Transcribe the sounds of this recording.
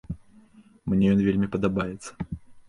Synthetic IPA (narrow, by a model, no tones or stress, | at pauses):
mnʲɛjɔnvʲelʲmʲipɐd̪abajɛt̪sːɐ̥